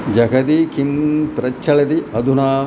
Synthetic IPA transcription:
d͡ʒɐkʰɐd̪ikimpɾɐt͡ʃʰːɐɭɐd̪iɐd̪ʱunaː

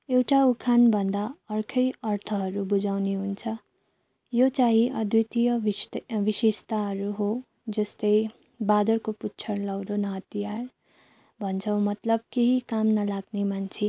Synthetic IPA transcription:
ewʈaukʰanbʱʌnd̪aʌrkʰʌjʌrt̪ʰʌɦʌɾubud͡zawneɦunt͡sʰʌ | jot͡saɦĩʔʌd̪jit̪ijʌʋisest̪aɦʌɾuɦo | d͡zʌst̪ʌj | bad̪ʌrkoputːt͡sʰʌrlʌwd̪onʌɦʌt̪ijar | bʱʌnt͡sʰʌw̃mʌt̪lʌb̚keɦikamnʌlaɡnemant͡sʰi

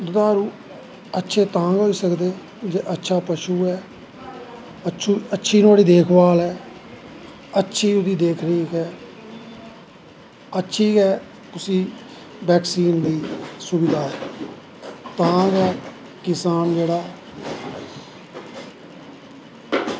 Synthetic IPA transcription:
d̪ʊd̪aːɾuː | ətːʃʰeːt̪ãːŋɡɦoːiːsəkd̪eː | d͡ʒeːʔətːʃʰaːpəʃuːɦɛː | ət͡ʃʰːətːʃʰiːnaːɽiːd̪eːkʰbaːlɦɛː | ətːʃʰiːʊd̪iːd̪eːkʰɾiːkɛː | ətːʃʰiːkɛː | kʊsiː | bɛːksiːnd̪iːsʊbɪd̪aːɛ | t̪ãːŋɡaː | kɪsaːmd͡ʒeːɽaː

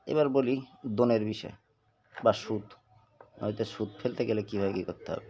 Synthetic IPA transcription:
ḛβaɾbolid̪oneɾbiʃɔ̰e | baʃut̪ | nɔ̰it̪eʃud̪fʰelt̪eɡelekibʱabekikoɾt̪eɦɔ̰be

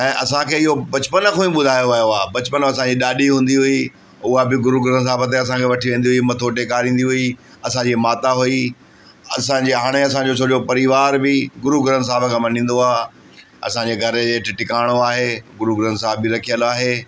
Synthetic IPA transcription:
ɛ̃ːʔɐsãkʰeːɪɦobɐt͡ɕpənkʰõːĩɓʊd̪ʱaːjoaːjoaːbɐt͡ɕpənɐsãd͡ʑiːɗaːɗiɦũːn̆d̪iɦui | ʊabɪɡʊɾuɡʊɾəns̬aːbət̪̬eɐs̬ãkʰeʋɐʈʰiʋẽːnd̪iɦuimɐt̪ʰoːʈekaːɾĩːn̆d̪iɦui | ɐsãɲd͡ʑiːmaːt̪aɦui | ɐ̰sãd͡ʑiɦaːɽ̃eɐs̬ãɲd͡ʑot͡ɕt͡ʃʰoːɗijopɐɾiʋaːɾbɪɡʊɾuɡʊɾəns̬aːbkʰãːmɐn̤ĩːn̆d̪oaː | ɐ̰sãd͡ʑeːɡʱɐɾəd͡ʑeːʈʈɪkaːɽ̃oaːɦeːɡʊɾuɡʊɾənsaːbbiɾɐkʰijəlaːɦeː

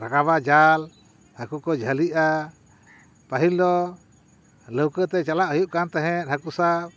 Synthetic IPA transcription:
ɾakaβad͡ʒal | hakukɔd͡ʒʱaliʔa | paɦild̪ɔ | ləwkət̪ɛt͡ʃalaʔhujuʔkant̪ɛɦɛ̃t̪̚hakusa

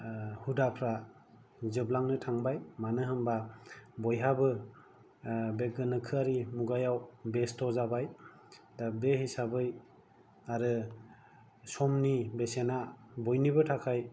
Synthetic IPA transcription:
hudapʰɾa | zɯblaŋnɯtʰaŋbajmanɯɦɯmbabɔjɦabɯ | bek̚ɡɯnɯkʰɯaɾimuɡajawbestʰɔzabaj | dabehisabɯj | aɾɯ | sɔmnibesenabɔjnibɯtʰakʰaj

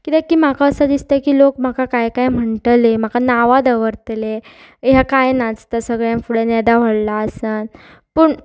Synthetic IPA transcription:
kit̪ãkiːm̤akaəsəd̪ist̪akiːlokm̤akakajkajm̤əɳʈ̪lem̤akanaʋad̪əʋəɾt̪le | ɦjakajnad͡zt̪asəɡɭjãmfuɽenɛd̪aʋ̤əɽlaəsən | pəːɳ

